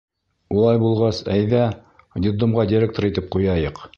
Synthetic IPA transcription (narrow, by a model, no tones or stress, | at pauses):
ulˠɑjbulˠʁɑsæjðæ | d̪ʲɪd̪omʁɑd̪ʲiɾʲek̚t̪oɾit̪ɘp̚qujɑjɤq